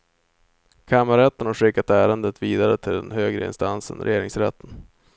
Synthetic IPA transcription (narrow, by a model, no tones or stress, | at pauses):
kʰamːaɾɛt̪ːənhaɧɪkːat̪æːɾənd̪ət̪viːd̪aɾət̪ʰɪld̪ɛ̰nɦøːɡɾə̰ɪ̰nst̪ansə̰nɾɛ̰jeːɾɪŋsɾɛt̪ʰːən